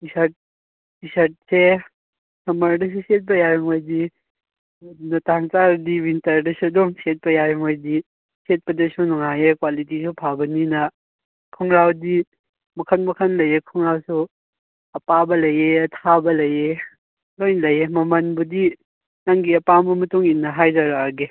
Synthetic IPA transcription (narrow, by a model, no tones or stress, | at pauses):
isɐt̚ | isɐt̚se | sɐmɐɾdɐs̬uset̚pɐjajɔŋojdi | nɐtaŋt͡ʃaɾdibintɐɾdɐsudɔŋset̚pɐjajɔŋojdi | set̚pɐdɐsunɔŋajekwalitisupʰabɐninɐ | kʰɔŋɾawdi | mɐkʰɐnmɐkʰɐnlɐjekʰɔŋɾawsu | ɐpabɐlɐjeɐtʰabɐlɐje | lojnlɐjemɐmɐnbudi | naŋɡiɐpambɐmɐtuŋinːɐɦajzaɾaɡe